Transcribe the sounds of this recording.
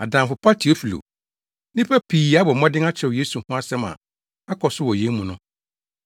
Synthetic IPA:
a˨dã˨mfʊ˨pʰa˦tʰi˨˦o˦fi˨lo̰˨ | nĩ˦pʰa˦pʰiː˨a˦bɔ˨mɔ̃˦dɪ̃˦a˦t͡ɕʰɛ˨wje˦su˨hʊ̃˦a˦sɛ̃˦mã̰˨ | a˦kʰɔ˨sʊ˦wɔ˨jẽ˦mũ˨nʊ̃˦

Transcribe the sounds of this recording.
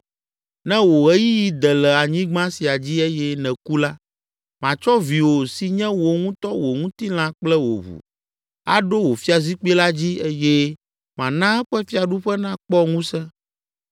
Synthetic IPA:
nɛ̃˦wo˨ɣɛ˦ji˦ji˦d̪ɛ˨lɛ˨a˨ɲĩ˦ɡ͡bã˦si˨a˨d͡ʑi˦e˦jɛ˦nɛ̃˨ku˦la˦ | mã˨t͡ʃɔ˦vi˨wo˨si˨ɲɛ̃˦wo˨ŋũ˦t̪ɔ˦wo˨ŋũ˦t̪i˦l̃ã˦k͡plɛ˦wo̰˨βṵ˨ | a̰˦ɖo˦wo˨fi˦a˨zi˦k͡pi˦la˦d͡ʑi˦e˦jɛ˦ | mã˨nã˦ɛ˦ɸɛ˦fi˦a˨ɖu˦ɸɛ˦nã˦k͡pɔ˦ŋũ˦sɛ̃˦

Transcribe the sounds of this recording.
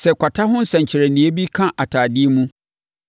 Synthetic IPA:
sɛ˨kʷa˨tʰa˦ɦʊ̃˦n̩˦sɛ̃˨ɲ˨t͡ɕʰɪ˨ɾɛ˨nĩ˨e˦bi˦kʰã˦ʔa˨tʰaː˨dɪ˦e˦mũ˦

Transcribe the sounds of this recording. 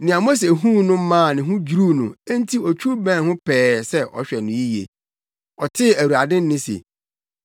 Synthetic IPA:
nɪ̃˨a˨mo˦s̬e˨ɦũ˦nʊ̃˦m̩˦mã˦˨nɪ̃˨ɦʊ̃˦d͡ʑu˨ɾu˦nʊ̃˨æ˦n̩˦tʰi˦ɔ˨t͡ɕᶣʰu˦ɾbɛ̃˦˨hʊ̃˦pʰɛː˨˦sɛ˦ʔɔ̰˨ɕᶣɛ˨nʊ̃˨ji˦jḛ˨ | ɔ˨tʰɪ˦æ˨wu˨a˨dɪ̃˦n˦nɪ̃˦sḛ˨

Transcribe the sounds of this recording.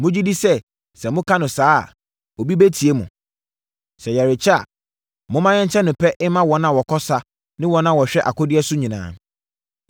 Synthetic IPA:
mʊ̃˦d͡ʑi˦di˦sɛ˦ | sɛ˨mʊ̃˦kʰã˦nʊ̃˨saː˦a̰˨ | o˨bi˦bæ˦tʰi˨e˦mʊ̰̃˨ | sɛ˨jɛ˨ɾɪ˨t͡ɕʰa̰˨ | mʊ̃˦mã˦ɲɛ̃˦ɲ˦t͡ɕʰɛ˦nʊ̃˨pʰɛ˦ʔɪ˦mã˦wɔ˨˦nã˨wɔ˨kʰɔ˦sa˦ | nɪ̃˦wɔ˨nã˨wɔ˨ɕᶣɛ˦ʔa˨kɔ˦dɪ˦ɛ˦sʊ˦ɲĩ˨nã̰ː˨n

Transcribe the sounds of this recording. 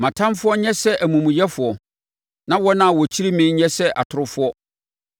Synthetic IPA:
mã˨tʰã˦mfʊ˦ɔ˦ɲɛ̃˦sɛ˦ʔæ˨mũ˨mũ˨jɛ˦fʊ˨ɔ˨ | nã˦wɔ˦nã˦˨wɔ˨t͡ɕʰi˦ɾi˦mɪ̃˦ɲɛ̃˦sɛ˦ʔa̰˨tʰʊ˨ɾʊ˦fʊ˦ɔ˦

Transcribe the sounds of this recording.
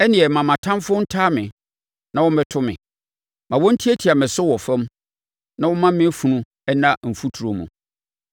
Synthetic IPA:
ɛ˦nɪ̃˨ɛ˨mã˨mã˨tʰã˦m˦fʊ˦n̩˦tʰaː˦mɪ̰̃˨ | nã˨wɔ̃˦m˦bɛ˦tʰʊ˦mɪ̰̃˨ | mã˨wɔ˦n̩˦tʰi˦e˦tʰi˨a˨mɪ̃˨sʊ˦wɔ˨fɛ̃˦m | nã˨wɔ˦mã˦m˦mɪ̃˦fu˨nũ˦ | ɛ˦nã˦m̩˨fu˦tʰu˨ɾo˨mṵ̃˨

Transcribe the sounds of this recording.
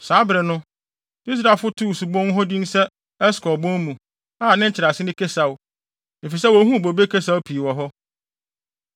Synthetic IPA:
saː˨˦bɾɪ˨nʊ̃˦ | i˦s̬ɾa˨fʊ˦tʰu˦˨su˨bɔ̃˦n˦ɦɔ˦dĩ˦n̩˦sɛ˦ | ɛ˦skɔ˨bɔ̃˦n˦mũ˨ | a˦˨nɪ̃˦t͡ɕʰɪ˨ɾa˨sɪ˦nɪ̃˦kʰe˦sa˨w | e˨fi˨s̬ɛ˦wɔ˨˦ɦũ˦˨bo˨be˦kʰe˦s̬a˦wpʰi˨wɔ˨ɦɔ˦

